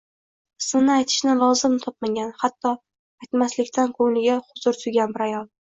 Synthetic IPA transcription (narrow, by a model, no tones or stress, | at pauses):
ɪ̥smɪnɪajt̪ʰɪ̥ʃnɪlˠɒzɪmt̪ʰɒp̚maɡʲanhat̪ʰːɒ | ajt̪maslɪkʲt̪ʰankʰɵŋlɪɡʲaχʊzʊɾt̪ʰʊjɡʲanbɪɾajɒlˠ